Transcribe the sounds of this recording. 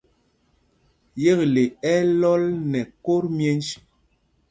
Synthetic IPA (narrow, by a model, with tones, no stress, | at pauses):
je˦ɣle˨ɛ˦lɔ˦lnɛ˨ko˦ɾmje˦nt͡ʃ